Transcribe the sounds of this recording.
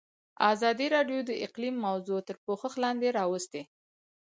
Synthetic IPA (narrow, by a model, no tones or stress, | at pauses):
ɑzɑd̪iɾɑɖjod̪əɪqlimːawzot̪əɾpoxəxlɑnd̪eɾɑwəst̪e